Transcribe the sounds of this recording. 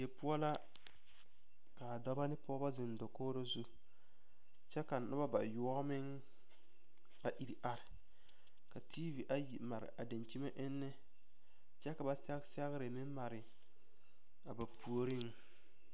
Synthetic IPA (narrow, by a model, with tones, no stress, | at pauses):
je˨pʊ˦ɔ˦la˦ | ka˨a˨dɔ˦ba˦nɪ˦pɔ˦ba˦zɪ˨ndɔ˨koː˦ɾo˦zu˦ | t͡ʃɛ˦ka˨nʊ˦ba˦ba̰˨ju˦ɔ˦mɪ˦ŋ | a˨ʔi˨ɾi˨ʔa˨ɾɪ˨ | ka˨tʰiː˦vi˨ʔa˨ji˨ma˨ɾɪ̰˨ʔa˨da˨nt͡ʃi˦ma˦ʔɪ˦nːɪ˦ | t͡ʃɛ˦ka˨ba˨sɛ˦ɣsɛ˦ɣɾɪ˨mɪ˦mma˨ɾɪ˨ | a˨ba˨pu˨o˦ɾɪ˦ŋ